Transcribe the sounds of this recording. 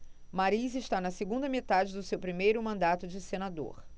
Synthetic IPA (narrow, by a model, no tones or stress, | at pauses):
maɾizɪʃt̪anɐseɡũnd̪ɐmet̪ad͡ʒɪd̪ʊsewpɾimejɾʊmɐ̃nd̪at̪ʊd͡ʒɪsenad̪o̰ɾ